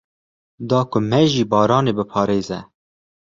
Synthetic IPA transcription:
d̪ɑːkʊmɛʒiːbɑːɾɑːneːbɨpʰɑːɾeːzɛ

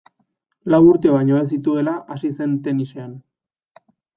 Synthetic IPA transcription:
lawuɾt̪e̞βaɲoes̬it̪ue̞laʔasise̞nt̪e̞nisean

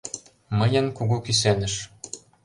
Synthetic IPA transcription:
mɤjə̆nkuɣukys̬enə̆ʃ

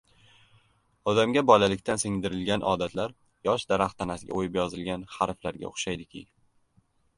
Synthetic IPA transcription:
ɒd̪amɡʲabɒlalɪkʲt̪ʰansɪŋd̪ɪɾɪlɡʲanʔɒ̰d̪at̪laɾ | jɒʃd̪aɾaχt̪ʰanasɪɡʲa̰ojɪpjɒzɪlɡʲanhaɾflaɾɡʲa̰oχʃajd̪ɪkʲʰɪ̰

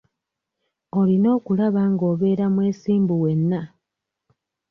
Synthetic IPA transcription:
o̞lino̞ːkulaβaŋɡo̞ːβe̞ːɾamwe̞ːsiːmbuwe̞nːa

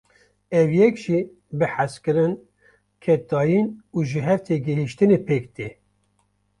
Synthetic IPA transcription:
ɛvjɛkʒ̥i | bɨħaskɨɾɨn | kʰɛt̪ɑːjinuːʒɨɦɛɾt̪ʰeɡɛɦiʃt̪ɨneːpʰeːk̚t̪eː

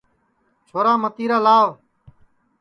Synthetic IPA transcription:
t͡ʃʰoːɾaːmət̪iːɾaːlaːʋ

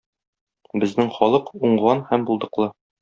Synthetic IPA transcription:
bɘ̆znɘŋχɒlˠɤquɴʁɑnhæmbulˠd̪ɤ̆qlˠɤ

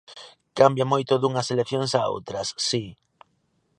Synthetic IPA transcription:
kambjamojt̪ʊðuŋɐselekθjoŋsao̰wt̪ɾɐsːi

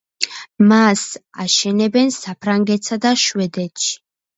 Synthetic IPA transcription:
masaʃɛnɛbɛnsapʰɾaŋɡɛt̪sad̪aʃwɛd̪ɛt̪ʃi̥

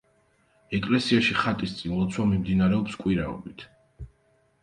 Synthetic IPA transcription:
ɛkʼlɛsiaʃiχat̪ʼist̪sʼinulˠɔt̪sʰwamimd̪inaɾɛɔpskʼwiɾaɔ̰bit̪ʰ

